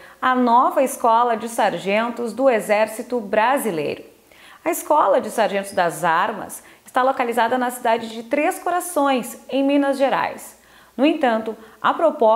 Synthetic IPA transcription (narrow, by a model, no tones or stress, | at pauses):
ɐnɔvɐɪskɔlɐd͡ʒɪsaɾʒẽnt̪ʊzd̪ʊezɛɾsit̪ʊbɾazilḛjɾʊ | ɐɪskɔlɐd͡ʒɪsaɾʒẽnt̪ʊzd̪ɐzaɾmɐ̰sɪ̥st̪alokalizad̪ɐnɐsid̪ad͡ʒɪd͡ʒɪt̪ɾeskoɾasõj̃sẽj̃mĩnɐzʒeɾa̰js | nʊẽj̃t̪ɐ̃nt̪ʊɐpɾopɔ